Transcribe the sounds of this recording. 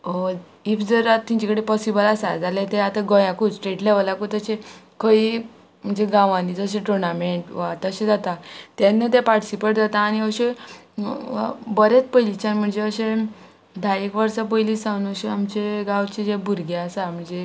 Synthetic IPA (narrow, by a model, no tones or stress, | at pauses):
o | ifd͡zəɾat̪ːiɲt͡ɕakəɽepɔsibəlasad͡zalet̪ẽat̪aɡɔjãkud͡zʈɾeʈleʋəlakut̪əɕe | kʰəi | m̤əɳd͡zeɡãʋãnit͡səɕ̬ẽʈɾunameɳʈʋat̪əɕẽd͡zat̪at̪jãnːət̪epaʈsipeʈd͡zat̪ãːniəɕe | bəɾet͡spəjlit͡ɕanm̤əɳd͡zeəɕẽ | d̪ʱajekʋəɾsapəjlisãwnəɕeamt͡ɕeɡãʋt͡ɕed͡ʑebʱuɾɡeasam̤əɳd͡ze